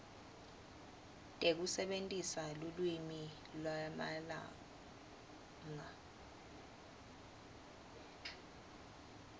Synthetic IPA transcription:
tʼek̬usɛɓentʼisalulwimi | lwamala̰ | ŋa

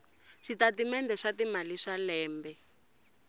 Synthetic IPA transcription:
ʂitatimɛndɛʂatimaliʂalɛːmbɛ

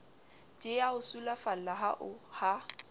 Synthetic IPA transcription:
t͡ʃʼɪjaʊsulafal̩laɦaʔʊha

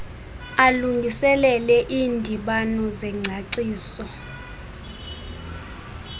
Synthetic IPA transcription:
aluŋɡʱisɛlɛlɛʔiːndʱiɓanɔzɛŋ͡ǀʱaǀiːsɔ

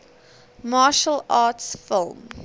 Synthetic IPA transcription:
mɑːʃəlɑːtsfɪlˠm

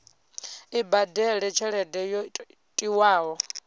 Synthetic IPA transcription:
ibadɛɺɛt͡ʃʰɛɺɛdɛjɔ | tʼiwaːɦɔ

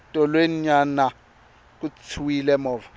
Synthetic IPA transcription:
tʼɔlweɲana | k̬ʼut͡sʰuwilɛmɔːvɔ

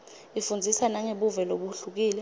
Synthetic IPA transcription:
ifund͡zʱisanaŋeɓuvɛloɓuɬuk̬iːlɛ

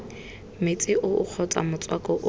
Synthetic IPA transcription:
mɪt͡sʼɪʔʊʊ̰k͡xʰɔt͡sʼa̰mʊt͡sʼwakʼɔʔʊ

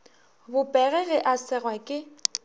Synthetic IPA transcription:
bʊpʼɛɣɛɣɛʔasɛrwakʼɪ

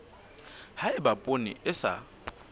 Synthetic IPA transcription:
haɪbapʼonḭʔɪsa̰

